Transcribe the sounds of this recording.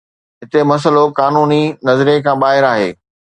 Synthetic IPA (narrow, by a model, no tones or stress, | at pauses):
ɦɪt̪emɐs̬əlokaːnuːninɐzɾijekʰãːɓaːɦɪɾaːɦḛː